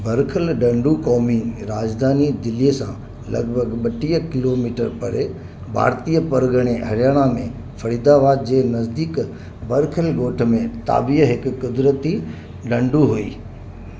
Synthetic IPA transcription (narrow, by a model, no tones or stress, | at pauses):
bɐɾkʰəlɖɐ̃ɳɖukɔːmiɾaːd͡ʑd̪ʱaːnid̪ɪliesã̰ | lɐ̰ɡbʱəɡɓɐʈiːəkɪloːmiːʈəɾpɐɾe | bʱa̰ːɾt̪ijəpɐɾɡəɽ̃eɦɐɾjaːɽ̃amẽ | fɐɾiːd̪aʋaːd̪̚d͡ʑeːnɐzd̪iːk | bɐɾkʰəlɡoːʈʰəmẽt̪a̰ːbiɦɪkkʊd̪ɾət̪i | ɖɐ̃ɳɖuɦuḭː